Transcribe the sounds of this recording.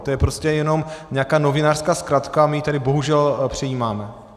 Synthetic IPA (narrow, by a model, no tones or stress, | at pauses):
t̪ojɛpɾo̞scɛjɛno̞mɲɛakaːno̞vɪnaːr̥skaːskɾat̪kamɪjit̪adɪbo̞ɦuʒɛlpr̝̥ɛjiːmaːmɛ